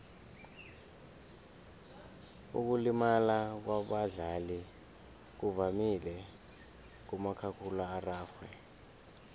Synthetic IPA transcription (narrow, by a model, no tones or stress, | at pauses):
ṵk̬ulimalak̬waɓaɮali | k̬uvamilɛ | k̬umakʰakʰulaaraːxwɛ